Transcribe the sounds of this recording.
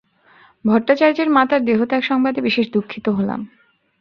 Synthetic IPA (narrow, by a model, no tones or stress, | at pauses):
bʱɔɾʈːat͡ɕaɾd͡ʑeɾmat̪aɾd̪eɦot̪ɛkʃɔŋbad̪ebiʃeʃd̪ukʰːit̪oɦola̰m